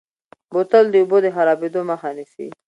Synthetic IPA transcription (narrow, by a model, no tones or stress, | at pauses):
bot̪əld̪eubod̪əɦaɾɑbed̪omaxanisḭ